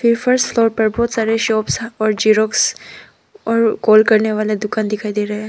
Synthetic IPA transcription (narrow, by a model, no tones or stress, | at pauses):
fɪɾfəɾsʈfloːɾpɐɾbɔːt̪saːɾeʃɔːpsɔːɾd͡ʒiːɾoːks | ɔːɾkɔːlkɐɾneʋaːled̪ʊkaːnd̪ɪkʰaːid̪eːɾɐɦe